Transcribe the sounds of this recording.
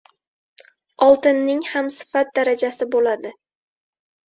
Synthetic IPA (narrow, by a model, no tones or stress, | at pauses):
ɒlˠt̪ɪnːɪŋhamsɪ̥fat̪̚d̪aɾad͡ʒasɪbolad̪ɪ